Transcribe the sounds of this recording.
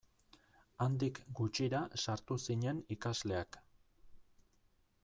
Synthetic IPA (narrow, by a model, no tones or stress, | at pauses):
and̪ikɡut͡ʃiɾasaɾt̪usiɲe̞nikazle̞ak